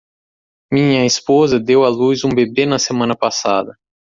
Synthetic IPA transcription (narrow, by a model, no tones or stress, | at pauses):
mĩɲɐispozɐd̪ewaluzũbebenɐsemɐ̃nɐpasa̰d̪ɐ